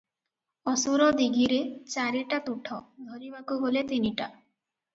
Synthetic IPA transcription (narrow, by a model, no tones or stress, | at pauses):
ɔsuɾɔd̪iɡʱiɾet͡ʃaɾiʈat̪uʈʰɔd̪ʱɔɾibakuɦolet̪iniʈa